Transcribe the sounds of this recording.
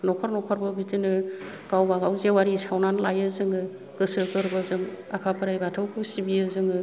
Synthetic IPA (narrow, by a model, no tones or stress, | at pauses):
nɔkʰɔɾnɔkʰɔɾbɯbitinɯ | ɡ̥awbaɡawzewaɾisawnanlajɯzɯŋɯ | ɡ̥ɯsɯkɯɾbɯzɯŋakʰapʰɯɾajbatʰɯwkʰɯsibiɯzɯŋɯ